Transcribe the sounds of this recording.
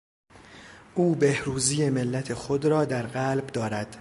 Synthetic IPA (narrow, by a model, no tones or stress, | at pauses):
ʔuːbe̞hɾuːzije̞me̞lːæt̪ʰexod̪ɾɒːd̪æɾɢælbd̪ɒːɾæd̪̥